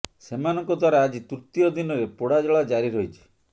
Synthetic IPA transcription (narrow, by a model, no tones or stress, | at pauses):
semanɔ̃ŋkɔd̪ʱwaɾaːd͡ʒit̪uɾt̪ijɔd̪inɔɾepoɽad͡ʒɔɭad͡ʒaɾiɾojt͡ʃʰi̥